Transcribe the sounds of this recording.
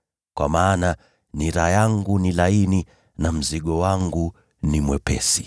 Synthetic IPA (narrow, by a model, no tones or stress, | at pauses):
kwa̰maːna | niɾajaŋɡunilaini | nam̩ziɠɔwaŋɡu | nimwɛpɛ̰si